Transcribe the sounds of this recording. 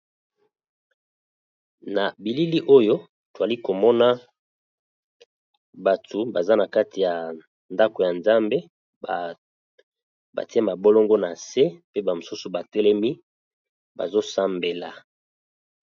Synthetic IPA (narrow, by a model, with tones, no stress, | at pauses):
na˨bi˨li˦li˦ʔo˦jo˦ | to˨a˨li˦ko˨mɔ˦na˦ | ba˨tu˨ba˨za˦na˨ka˦ti˨ja˨ | nda˦ko˨ja˨nza˦mbe˦ | ba̰˨ti˦a˦ma˨bo˦lɔ˦ŋɡo˦na˨se˦pe˦ba˨mo˨su˦su˨ba˨tɛ˦lɛ˦mi˦ | ba̰˨zo˦sa˦mbe˨la˨